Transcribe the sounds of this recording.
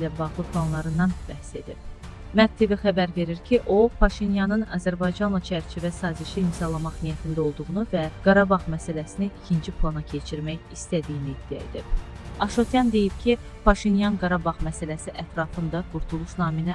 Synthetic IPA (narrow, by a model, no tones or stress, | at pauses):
ilæbɑʁlˠɯpʰlˠɑnlˠɑɾɯnd̪ɑnb̥æhse̞d̪ib̥ | mæt̪̚t̪ʰːiviχæbæɾve̞ɾiɾcʰiʔo̞pʰɑʃinjɑnɯnɑzæɾbɑjd͡ʒɑnlˠɑt͡ʃʰæɾt͡ʃʰivæsɑːziʃiːmzɑlˠɑmɑχnijæt̪ʰind̪æo̞lˠd̪uʁunuvæɡ̥ɑɾɑbɑʁmæsælæsiniʔicʰind͡ʒipʰlˠɑnɑcʰe̞t͡ʃʰiɾmæjist̪æd̪ijiniːd̪̥ːiæ̰ḛd̪ib̥̚ | ɑʃot̪ʰjɑnd̪e̞jib̥cʰi | pʰɑʃinjɑnɡɑɾɑbɑʁmæsælæsiʔæt̪ʰɾɑfɯnd̪ɑɡ̥uɾt̪ʰulˠuʃnɑːminæ